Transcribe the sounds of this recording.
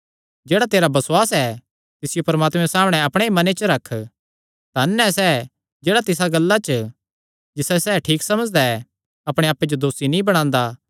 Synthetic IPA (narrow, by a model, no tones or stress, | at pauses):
d͡ʒeːɽat̪eːɾabɐswaːsɛ | t̪ɪsɪjopɐɾmaːt̪mɛ̃saːmɽ̃ɛ̃ɐpɽ̃eimɐnet͡ʃəɾɐkʰː | t̪anːɛsɛː | d͡ʒeːɽat̪ɪs̬aɡɐlːat͡ʃə | d͡ʒɪsɛsɛːʈʰiːksɐməd͡ʒd̪aɛ | ɐpɽ̃eaːpːed͡ʒod̪oːsinĩbɐɽ̃ãːnd̪aː